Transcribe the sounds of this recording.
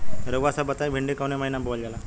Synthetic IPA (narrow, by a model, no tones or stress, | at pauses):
ɾəʋasabət̪ajbʱiɳɖikawneməɦinabold͡ʑala